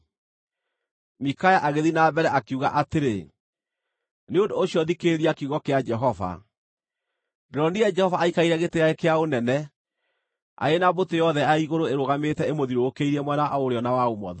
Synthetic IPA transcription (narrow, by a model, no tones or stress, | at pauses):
mikajaʔaɣeðinaːbɛɾɛakeuɣa̰ʔateɾe | neondoːsɕiɔðikeɾiakeuɣɔkead͡ʒɛɦɔva̰ | deɾɔniɛd͡ʒɛhɔvaːikaiɾɛɣetejaekeaonɛnɛ | a̰enabotejɔðɛaiɣoɾoeɾoɣametɛemoðiɾoːkeiɾɛmwɛnaʔaoɾeɔnawaomɔ̰ðɔ